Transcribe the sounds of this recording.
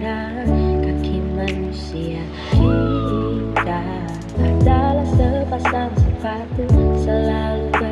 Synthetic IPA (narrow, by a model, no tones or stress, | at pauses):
ɾa | kakʰimanusia | i | t̪a | adalasəpasaŋsəfat̪usəlalubə